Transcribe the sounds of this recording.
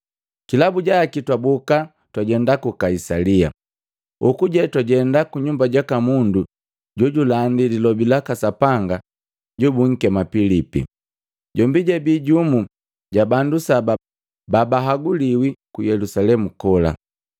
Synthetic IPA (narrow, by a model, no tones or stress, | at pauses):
kilabuɟaːkitwabuka | twaɟɛndakukaisalia̰ | ukuɟɛtwaɟɛndakuɲumbaɟakamundu | ɟɔɟulandidilɔbilakasapaŋɡa | ɟubuŋ̩kɛmapilipḭ | ɟɔmbiɟabiɟumu | ɟabandusaba | babaɦaɡuliwikujɛlusalɛmukɔla̰